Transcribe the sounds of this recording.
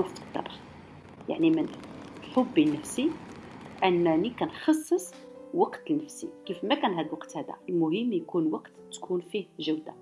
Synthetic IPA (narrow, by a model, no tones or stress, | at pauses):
uft̪ˤːɑ̰ɾˤ | ja̰ʕnimənħobːinːəfsi | ʔənːænikænxɑsˤːəsˤ | wɑqt̪əlnːəfsḭkifmækænɦæd̪lwɑqt̪hæd̪æ̰əlmʊɦəmːjkunwɑqt̪t̪ːkʰunfihʒəwd̪a̰